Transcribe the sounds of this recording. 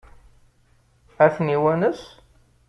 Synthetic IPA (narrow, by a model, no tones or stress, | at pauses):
æθniwænəs